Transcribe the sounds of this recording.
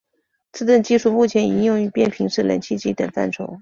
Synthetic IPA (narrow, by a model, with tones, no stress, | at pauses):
t͡sɹ̩˥˧t̪ə˥˧nt͡ɕi˥˧ʂu˥˧mu˥˩t͡ɕʰjɛ˧˥ni˧˥jʊ˥˩ŋy˧˥pjɛ˥˩npʰi˧˥ŋʂɻ̩˥˩lə̰˧˥nt͡ɕʰi˥˧t͡ɕi˥t̪ə˨˩nfa̰˥˩nʈ͡ʂʰo˧˥ʊ